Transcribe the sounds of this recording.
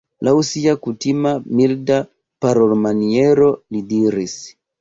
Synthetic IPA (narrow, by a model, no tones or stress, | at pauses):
lausiakutimamilda | paɾolmanieɾo̞lidiɾis